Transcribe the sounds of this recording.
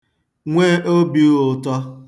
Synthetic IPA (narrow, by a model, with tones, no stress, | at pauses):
ŋʷe˦ʔo˦bi˨˦˨tɔ˦